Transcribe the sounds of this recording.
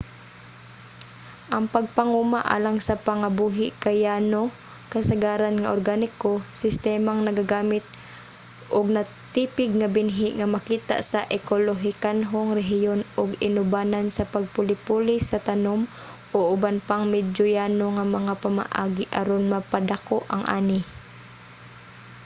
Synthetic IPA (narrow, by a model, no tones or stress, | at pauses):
ʔɐŋpɐɡ̚pɐŋumaʔa̰ːlaŋsɐpaŋabuːɦɪʔkajaːno | kɐsaɡaːɾanŋaʔoɾrɡanɪkosɪst̪ɛːmaŋnɐɡaɡaːmɪt̪̚ | ʔʊɡ̚nɐ | t̪iːpɪɡ̚ŋabɪnɦɪʔŋamɐkiːt̪a̰ʔsaʔɛkoloɦɪkanɦoŋɾɛɦjonʔʊɡɪnʊbaːnansɐpɐɡ̚pʊlɪpuːlɪsɐt̪anom | ʔoʔʊbanpaŋmɛd͡ʒojaːnoŋamɐŋapama̰ʔaːɡɪʔaɾonmɐpad̪akoʔɐŋʔa̰ːnɪ